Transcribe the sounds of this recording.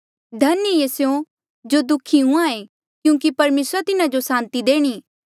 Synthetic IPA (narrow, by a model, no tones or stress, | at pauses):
d̪ʱɐnəesjõ | d͡ʒod̪ʊkʰiɦũãe | kjũːkipɐɾmeːsɾat̪ɪnad͡ʒosãːnt̪id̪eːɽ̃iː